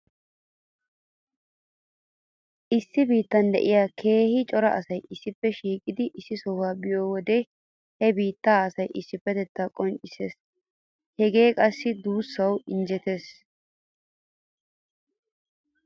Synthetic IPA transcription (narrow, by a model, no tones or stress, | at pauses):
ʔɪsːɪbiːt̪ːɐnd̪ɛʔɪjaːkʰe̞ːhɪt͡ʃʼɔɾɐ̰ʔɐsɐjɪsːɪpːɛʃiːkʼːɪd̪ɪʔɪsːɪsɔwaːbɪjoːwɔd̪ɛ | hɛbiːt̪ːaːɐsɐjʔɪsːɪpːɛt̪ɛt̪ːakʼɔnt͡ʃʼɪsḛːs | hɛɡe̞ːkʼɐsːɪd̪uːsːɐwɪnd͡ʒɛt̪e̞ːs